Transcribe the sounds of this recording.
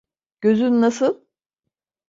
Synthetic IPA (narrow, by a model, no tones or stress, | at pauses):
ɟ̥øzynnasɯlˠ